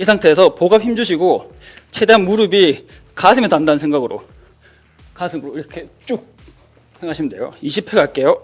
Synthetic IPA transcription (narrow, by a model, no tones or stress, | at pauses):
isʰaŋtʰeːsʰʌpoɡap̚çimd͡ʑuɕʰiɡo | t͡ɕʰe̞deanmuɾɯbi | kasʰɯmetandanɯnsʰeŋɡaɡɯɾo̰ | kasʰɯmɯɾoiɾʌkʰe̞t͡ɕ͈uk̚ | he̞ŋɦaɕʰimde̞̰jo̰iɕʰipʰeɡak͈e̞jo